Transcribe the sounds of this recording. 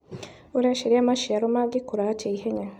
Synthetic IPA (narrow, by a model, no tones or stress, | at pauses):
oɾeʃeɾiamaʃiaɾomaɡikuɾateiheɲa